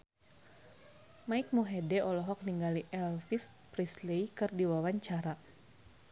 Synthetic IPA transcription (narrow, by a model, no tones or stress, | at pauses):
maik̚muɦɛdɛʔɔlɔɦɔk̚niŋɡaliʔɛlfis | prisleikɨrdiwawaɲt͡ʃaɾa